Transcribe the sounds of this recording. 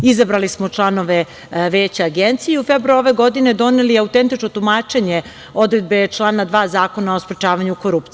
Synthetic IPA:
izabɾalismot͡ʃlˠanoʋe̞ | ʋeːt͡ɕaaɡent̪sijeiufebɾuoʋeɡo̞d̪ine̞d̪o̞neliaut̪ent̪it͡ʃnot̪umaːt͡ʃe̞ɲe | o̞d̪ɾed̪̚be̞t͡ʃlˠaːnad̪ʋaːzaːko̞naospɾet͡ʃaːʋaɲukoɾup̚t̪i

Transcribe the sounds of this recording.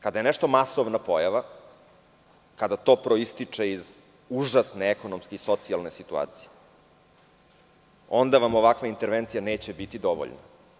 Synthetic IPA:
kad̪aje̞nɛʂt̪o̞masoʋnapo̞jaʋa | kad̪at̪o̞ːpɾoist̪it͡ʂe̞iz | uʐasneeko̞nomskeiso̞t̪sialˠne̞sit̪ua̰ːt̪si̥je | o̞nd̪aʋamoʋakʋaint̪eɾʋent̪sijaneːt͡ɕe̞bit̪id̪o̞ʋo̰ʎna̰

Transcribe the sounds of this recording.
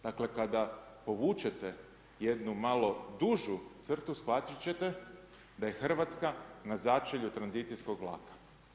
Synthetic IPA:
d̪̥akle̞kad̪apo̞ʋuːt͡ʃe̞t̪e | jed̪numalo̞d̪uʒut̪sr̩t̪usxʋat̪it͡ɕe̞t̪e̞ | d̪aje̞xr̩ʋat̪skanazat͡ʃeʎut̪ɾanzit̪sijsko̞ɡʋlˠa̰ːkḁ

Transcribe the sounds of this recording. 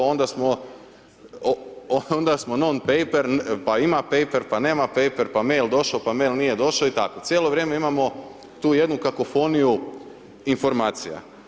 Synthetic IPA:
ond̪asmo | oond̪asmo̞nonpejpeɾpaimape̞jpe̞ɾpaneːmape̞jpe̞ɾpame̞jld̪o̞ʃaopame̞jlˠnije̞d̪o̞ʃaoit̪akot̪sʲjeloʋɾjeːme̞imamo̞ | t̪uːje̞d̪nukako̞fo̞niju | info̞ɾmaːt̪sija̰

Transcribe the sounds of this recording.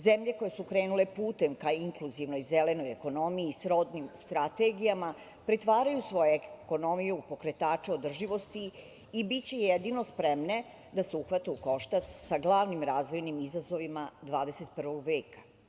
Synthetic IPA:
zemʎe̞ko̞jesukɾeːnule̞puːt̪e̞mkaiŋkluziʋno̞jzele̞no̞jeko̞no̞miisɾo̞d̪nimst̪ɾat̪e̞ɡijama | pɾet̪ʋaːɾajusʋo̞jeeko̞no̞mijupo̞kɾe̞t̪aːt͡ʂeo̞d̪r̩ʒiʋo̞st̪iː | bitt͡ɕe̞jed̪ino̞spɾemne̞ | d̪aseuxʋat̪euko̞ʃt̪assaɡlˠaʋnimɾaːzʋo̞jnimizazo̞ʋimad̪ʋaːd̪e̞se̞t̪̚pr̩ʋo̞ɡʋe̞ːkḁ

